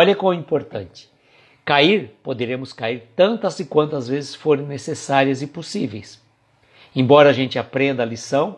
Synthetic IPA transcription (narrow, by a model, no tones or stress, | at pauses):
ɔʎɐkõĩmpoɾt̪ɐ̃t͡ʃɪ̥ | kaiɾpod̪eɾẽmʊskaiɾt̪ɐ̃nt̪ɐzɪkwɐ̃nt̪ʊɐzvezɪsfoɾ̃nesesaɾiɐzɪposivejs | ẽbɔɾɐːʒẽnt͡ʃɪapɾẽnd̪ɐːlisɐ̃w̃